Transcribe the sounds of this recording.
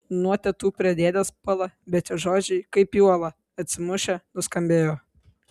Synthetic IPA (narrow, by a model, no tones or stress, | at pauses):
nuɔt̪ʲɛt̪uːpʲɾʲɛd̪ʲeːd̪ʲɛspʊlˠɐbʲɛt̪ʲɪʒoːd͡ʒʲɛɪkɐɪpjuɔlˠɐ | ɐt̪ʲsʲɪmʊʃʲɛnʊskɐmʲbʲeːjoː